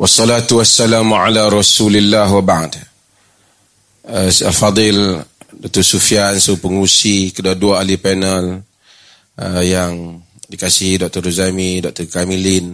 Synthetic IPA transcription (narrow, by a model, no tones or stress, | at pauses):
wɑsːɔlat̪uwasːalamʕa̰laɾˤɑsulilːaɦwabaʕd | əsalfɑd̪ˤɪldɔk̚t̪ɔsufijansopəŋusikəduaduaalipɛnəl | əjaŋ | dikasihdɔk̚t̪ɔɾuzamidɔk̚t̪ɔrkamilin